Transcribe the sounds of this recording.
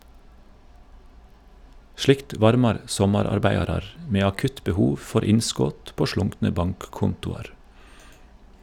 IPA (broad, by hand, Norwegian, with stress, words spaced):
ˈʃlɪkt ˈʋɑɾmɑɾ ˈsɔmɑɾɑɾˌbæɪɑɾɑɾ m ˈmeː ɑˈkʉt bəˈhuːʋ ˈfɔɾ ˈɪnˌskoːt ˈpoː ˈʃɭʊŋknə ˈbɑŋkˌkʊntʊɑɾ